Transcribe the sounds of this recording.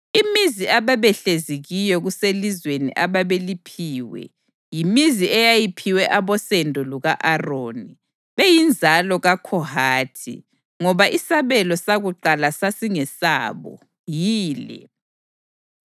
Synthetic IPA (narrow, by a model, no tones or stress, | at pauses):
imiziaβaβɛɬeziɣijɔɣuselizwenḭʔaβaβelipʰiːwɛ̰ | jimiziɛjajipʰiwɛʔaβɔsɛndʱɔluɣaʔaroːni | βejind͡zʱalɔɣakʰɔhaːtʰḭ | ŋɔβaʔisaβɛlɔsaɣuǃalasasiŋɛsa̰ːβɔ̰ | jiːlɛ̰